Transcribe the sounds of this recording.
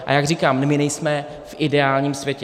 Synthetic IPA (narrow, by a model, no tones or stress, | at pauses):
ʔa̰jaɡriːkaːmmɪnɛjsmɛ | fʔɪdɛaːlɲiːmsvʲjɛcɛ